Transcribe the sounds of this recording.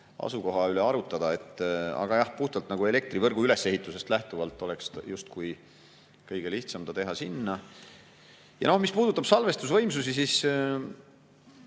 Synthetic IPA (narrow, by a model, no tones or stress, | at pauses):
ɑ̰suko̞ɦɑyleɑɾut̪ːˑɑd̪̥ɑe̞t̪ːˑɑ̰ɡ̥ɑjɑhpuht̪ɑlt̪nɑɡ̥ue̞le̞k̚t̪rivɤrɡ̥uyle̞sːe̞ɦit̪ːˑuse̞st̪læht̪uvɑlt̪ːˑo̞le̞kstjust̪kuj | kɤjɡ̥e̞liht̪sɑmd̪̥ɑt̪e̞ɦɑsinːɑ | jɑ̰no̞hmispuːd̪̥ut̪ːˑɑb̥sɑlve̞st̪usvɤ̞jmsusisis